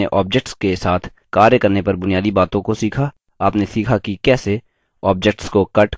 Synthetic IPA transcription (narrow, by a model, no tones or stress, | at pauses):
eʔɔːp̚d͡ʒek̚ʈskesaːt̪ʰ | kaːɾjəkɐɾnepɐɾbʊnijaːd̪ibaːt̪õkosiːkʰa | aːpnesiːkʰakikɛːse | ɔːp̚d͡ʒek̚ʈskokɐʈ